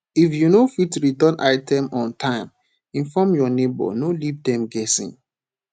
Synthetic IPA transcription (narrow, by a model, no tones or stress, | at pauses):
ifjunofitɹitɔ̃nʔaɪtɛ̃mɔ̃ntʰãɪ̃m | ĩnfɔmjɔnebɔ̰nolivdɛ̃mɡɛsḭ̃n